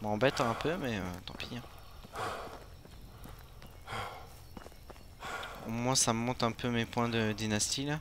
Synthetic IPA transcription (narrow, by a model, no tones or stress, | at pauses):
mɑ̃bɛt̪ɛ̃pʰømɛøt̪ɑ̰̃piɛ̃ | omwãsaməmɔ̃t̪ɛ̃pømepwɛ̃d̪əd̪inast̪ila